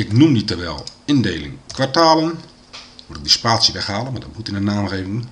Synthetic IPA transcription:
ɪknumditəʋɛlˠɪndejlɪ̰ŋkʋartaːlən | ʋulɪɡ̚dispaːtsjəʋɛxhaːlənmaːdɔtbutɪnənaːnreːvənən

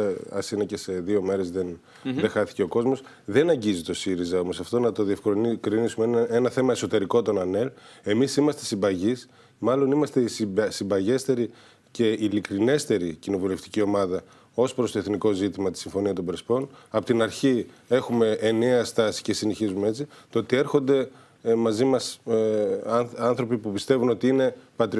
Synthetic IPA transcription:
ɐ̰sinɐce̞se̞ðio̞me̞ɾe̞zðen | ðexɐθi̥ce̞o̞ko̞zmo̞s | ðe̞nɐɲɟizit̪o̞siɾizɐo̞mo̞sɐft̪o̞nɐt̪o̞ðiefkɾinkɾinisumeenɐθe̞mɐeso̞t̪e̞ɾiko̞t̪o̞nɐnele̞misimɐst̪e̞sibɐʝis | mɐlo̞nimɐst̪e̞ssimbɐʝe̞st̪e̞ɾi | ce̞ilikɾine̞st̪e̞ɾicino̞vule̞ft̪i̥cio̞mɐðɐ | o̞spɾost̪o̞eθniko̞zit̪imɐt̪i̥siɱfo̞niɐt̪o̞bɾespo̞nɐpo̞t̪inɐɾçie̞xume̞ːneɐst̪ɐsi̥ce̞sineçizumee̞t͡sit̪oot̪ie̞ɾxo̞nd̪e̞ | mɐzimɐs | ɐnθɾo̞pipupist̪e̞vuno̞t̪iine̞pɐt̪ɾ

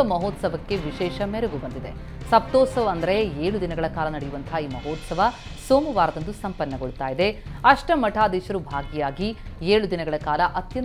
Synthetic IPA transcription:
ɐmɐɦoːt̪sɐʋɐkːe̞ʋiʃɛːʃɐmɛɾɐɡubɐnd̪id̪e̞ | sɐp̚t̪ɔːt̪sɐʋɐːnd̪ɐɾeeːɭud̪inɐɡɐɭɐkaːlɐnɐɽejuʋɐnt̪ʰaiːmɐɦoːt̪sɐʋɐ | soːmuʋaːɾɐd̪ɐnd̪usɐmpɐnːɐɡoɭut̪aːjid̪e̞ɐʂʈɐmɐʈʰaːd̪iːʃɐɾubʱaːɡijaːɡieːɭud̪inɐɡɐɭɐkaːlɐʔɐt̪jɐn

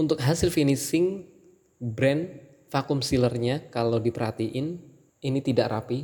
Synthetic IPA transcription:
unt̪ʊk̚ɦasɪlfinisɪŋ | bɾɛn | fakumsilərɲakalawdipəɾɦat̪iʔɪn | init̪idaʔɾapi

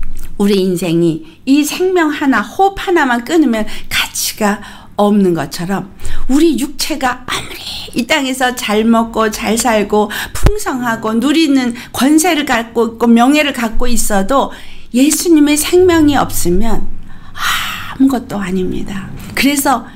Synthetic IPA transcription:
uɾiinsʰe̞ŋi | isʰe̞ŋmjʌŋhanahopʰanamank͈ɯnɯmjʌnkat͡ɕʰi̥ɡ̥a | ʌmnɯnɡʌt͡ɕʰʌɾʌmuɾijuk̚t͡ɕʰe̞ɡaamɯɾeit͈aŋe̞sʰʌt͡ɕaɭmʌk͈̚ot͡ɕaɭsʰaɭɡopʰuŋsʰʌŋɦaɡonuɾinɯnkwʌns̬ʰe̞ɾɯɭkak͈oik͈omjʌŋɦe̞ɾɯɭkak͈ois͈ʌdo | je̞sʰuɲime̞sʰe̞ŋmjʌŋiʌ̰p̚s͈ɯmjʌnamuɡʌt̚t͈oaɲimɲḭdakɯɾe̞sʰʌ

